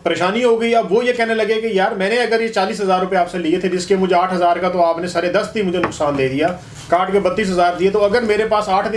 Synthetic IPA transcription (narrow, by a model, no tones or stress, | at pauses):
pəɾeːʃaːniɦoːɡəiɐbʋoːjekɛɦnelɐɡekejaːɾmɛ̃ːnẽɐɡəɾjet͡ʃaːliːs̬ɦəzaːɾːʊpeaːpseliet̪ʰed͡ʒɪskemʊd͡ʒaːʈʰɦəzaːɾkat̪oaːpnesaːɾed̪əst̪imʊd͡ʒʱenʊksaːnd̪eːd̪ijaː | kaːʈkebət̪ːiːs̬ɦəzaːɾd̪iet̪oɐɡəɾmeːɾepaːsaːʈʰd̪ɪ